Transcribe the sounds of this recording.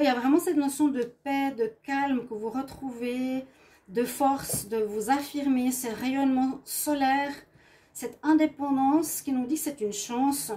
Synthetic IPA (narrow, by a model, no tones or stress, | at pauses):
iljavʁɛmɑ̃sɛt̪nɔsjɔ̃d̪əpɛd̪əkalmkəvuʁət̪χuve | d̪əfɔʁsd̪əvuzafiʁmesəʁɛjɔnmɑ̃sɔlɛːʁ | sɛt̪ɛ̃d̪epɑ̃d̪ɑ̃skʲinud̪iksɛt̪ynʃɑ̃s